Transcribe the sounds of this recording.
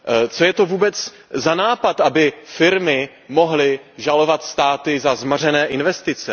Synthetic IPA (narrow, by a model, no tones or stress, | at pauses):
t͡so̞jɛt̪o̞vuːbɛt͡s | zanaːpat̪ʔabɪfɪɾmɪ | mo̞ɦlɪʒalo̞vat̪st̪aːt̪ɪzazmar̝ɛnɛːʔɪnvɛst̪ɪt͡sɛ